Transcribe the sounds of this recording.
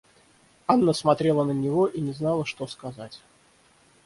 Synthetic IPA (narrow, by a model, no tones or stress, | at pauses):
anːəsmɐt̪ɾʲe̞lˠənənʲɪvo̞ʔinʲɪznɑlˠəʂt̪o̞skɐzatʲ